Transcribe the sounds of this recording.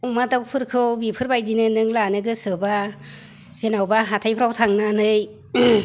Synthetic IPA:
wmadawpʰɯɾkʰɯwbipʰɯɾbajdinɯnɯŋlanɯɡɯsɯba | z̥enawbaɦatʰajpʰɯɾawtʰaŋnɯnɯj

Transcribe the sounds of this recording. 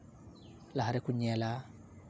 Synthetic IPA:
laɦaɾekuɲɛla

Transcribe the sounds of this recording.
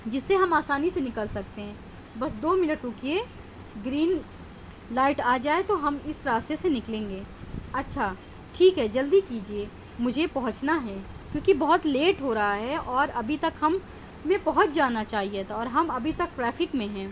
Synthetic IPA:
d͡ʒɪsːeɦɐmaːsaːnisenɪkəlsɐk̚t̪eɦɛ̃ː | bɐsd̪oːmɪnəʈɾʊkie | ɡɾiːn | laːɪʈaːd͡ʒaːet̪oɦɐmɪsɾaːst̪esenɪklẽːŋɡeːɐtːʃʰaː | ʈʰiːkɦɛd͡ʒɐld̪ikiːd͡ʒie | mʊd͡ʒʱepɐɦʊ̃t͡ʃnaɦɛː | kjõːkibɐɦʊt̪leːʈɦoːɾɐɦaɦɛʔɔːɾɐbʱit̪ɐkɦɐmː | ẽbɐɦʊt̪̚d͡ʒaːnat͡ʃaːɦiet̪ʰaɔːɾɦɐmɐbʱit̪ɐk̚ʈɾɛːfɪkmẽɦɛ̃ː

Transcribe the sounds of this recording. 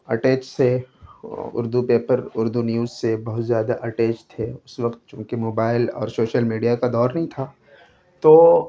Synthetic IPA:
ɐʈeːt͡ʃse | ʊ̰ɾd̪upeːpəɾʊɾd̪unjuːzsebɐɦʊt̪zjaːd̪aʔɐʈeːt͡ʃt̪ʰeʊsʋɐqt̪̚t͡ʃũːkemoːbaːɪlɔ̰ːɾsoːʃəlmiːɖijakad̪ɔːɾnɐɦĩt̪ʰaː | t̪oː

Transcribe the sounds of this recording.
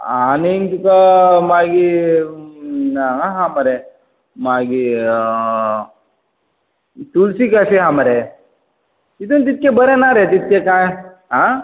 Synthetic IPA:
aniŋkkamaɡi | naaɦaməɾe | maɡi | t̪ulsikasiɦaməɾe | it̪unt̪̬it̪̚kebəɾenaɾet̪it̪̚kekãj | ɦa

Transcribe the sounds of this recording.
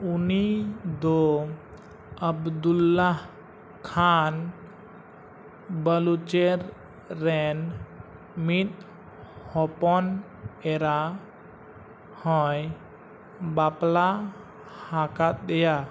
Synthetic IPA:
unid̪ɔ | əbd̪ulːaɦ | kʰan | bəlut͡ʃeɾː | ɛn | mit̪̚ | hɔpɔn | ɛɾa | hɔ̃j | bapla | hakat̪̚ɗ̪ɛja

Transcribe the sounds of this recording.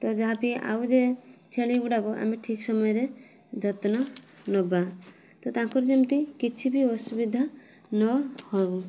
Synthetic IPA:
t̪ɔd͡ʒɔɦapia̰ud͡ʒet͡ʃʰeɭiuɖabɔʔa̰meʈʰiksɔmɔjɔɾe | d̪ʱɔt̪nɔnɔba | t̪ɔt̪ãŋkɔɾd͡ʒɔmt̪ikit͡ʃʰibiɔsubid̪ʱa | nɔhɔbu

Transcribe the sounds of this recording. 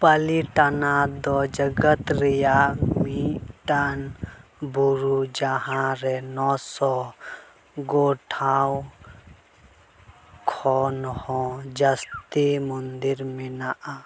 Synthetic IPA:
pəliʈanad̪ɔd͡ʒəɡət̪ɾijamiʈanbuɾud͡ʒaɦãɾɛnɔsɔ | ɡoʈʰaw | kʰɔnhɔ̃d͡ʒəst̪imund̪iɾminaʔa

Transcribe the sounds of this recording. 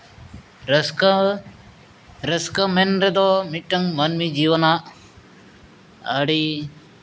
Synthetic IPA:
ɾɐskɐmenɾed̪omiʈːɐŋmɐnmid͡ʒiːʋɐna | ɐ̰ɽi

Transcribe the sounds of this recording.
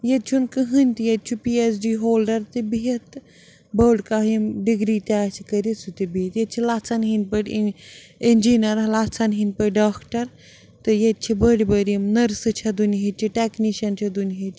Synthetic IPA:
jet̪̚t͡ʃʰunkɨɦɨnʲt̪ɨjɐd̪̚t͡ʃʰupiesɖiːɦoːlɖɐɾt̪ɨbiɦɐt̪ | bɐɽkaɦimɖiɡɾiːt̪ʲaːt͡ʃʰikɐɾʲit͡sʰut̪ibiit̪jet̪̚t͡ʃʰilat͡sʰɐnɦinʲpəɽʲ | enʲd͡ʒiːnɐɾɐlaːt͡sʰɐnɦinʲpəɖaːkʈɐɾ | t̪ɨjet̪̚t͡ʃʰibəɽʲbəɾimnɐɾsɨt͡ʃʰɐd̪unʲɦit͡ʃʰiʈekniʃɐnt͡ʃʰɐd̪unʲɦit͡ʃʰʲi

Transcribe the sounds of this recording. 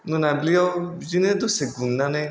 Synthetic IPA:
nõnãbliɔ | d͡ʒinẽd̪oseɡunãnẽ

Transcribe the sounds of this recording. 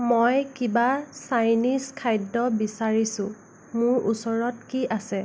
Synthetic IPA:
mojkibasajniskʰajdɔbisaɹisʊ̃ | mʊɹʔusɔɹɔtkiʔasɛ

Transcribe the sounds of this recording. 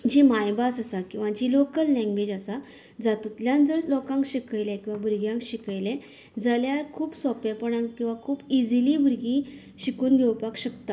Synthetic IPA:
d͡ʑimajbasasakĩw̃ʋãd͡ʑilokəlnɛ̃ŋɡbed͡ʑasa | d͡zat̪ut̪ljãnd͡zəɾlɔkãŋkɕikəjlɛ̃kĩw̃ʋabʱuɾɡjãŋkɕikəjlɛ̃ | d͡zaljaɾkʰuːbsɔpɛpəɳankĩw̃ʋakʰuːbid͡zilibuɾɡĩ | ɕikuːnɡʱewpakɕəkt̪a

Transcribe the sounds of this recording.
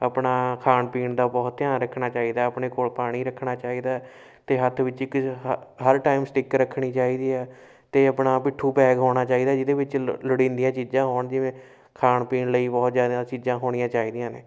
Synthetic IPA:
əːpɳaːkʰaːnpiːɳd̪aːbɔːt̪t̪ːɪjãːnɾəkʰːɳaːt͡ʃaːiːd̪aːəpɳeːkoːlpaːɽ̃iːɾəkʰɳaːt͡ʃaːiːd̪aː | t̪eːɦət̪ʰʋɪt͡ʃɪkɦəɾʈaːiːmsʈɪkɾəkʰːɽiːt͡ʃaːiːd̪iːɛː | t̪eːəpnaːpɪʈʰːuːpɛːɡɦoːɽ̃aːt͡ʃaːiːd̪aːd͡ʒɪd̪eːʋɪt͡ʃləɽĩːnd̪ijãːt͡ʃiːd͡ʒãːɦoːɳd͡ʒɪʋẽː | kʰaːnpiːnləiːbɔːt̪zjaːd̪ãːt͡ʃiːzãːɦoːɽ̃ɪjãːt͡ʃaːiːd̪ijãːneː

